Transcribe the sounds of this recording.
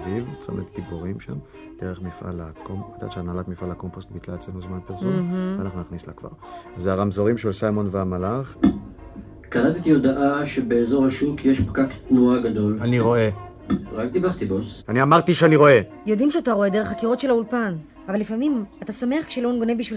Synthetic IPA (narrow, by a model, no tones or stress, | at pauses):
vivt͡so̰met̪ɡibuʁimʃa̰m | d̥eʁeχmifʔa̰lakomad̪a̰ʃeanalatmifalakompost̪bitlaet͡senuzmanpeʁsomanaχnunaχnisla̰kva̰ʁzeaʁamzoʁimʃelsajmonveamalaχ | kanat̪it̪iod̪aʔaʃebeːzo̞ʁhaʃukʰjeʃpkakt̪nuaɡad̪o̞laniʁo̞e̞ | ʁakd̪ibaʁt̪ibosaniamaʁt̪iʃeaniʁo̞e̞ | jod̪imʃeat̪aʁo̞e̞d̪e̞ʁe̞χakiʁo̞tʃelaulpan | avalifamimat̪asame̞aχkʃelonɡo̞nebiʃvil